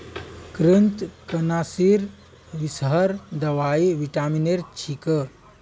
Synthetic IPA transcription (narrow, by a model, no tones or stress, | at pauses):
kɾənt̪kənasiɾ | ʋisɦəɾd̪əʋaiʋiʈamineɾt͡ʃʰikə